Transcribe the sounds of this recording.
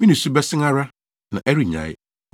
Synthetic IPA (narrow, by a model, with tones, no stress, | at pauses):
mĩ˦nĩ˨su˦bɛ˦sɪ̃˦ŋa˦ɾa˦ | nã˨ʔɛ˦ɾi˨ɲã̰˨ɪ̰˦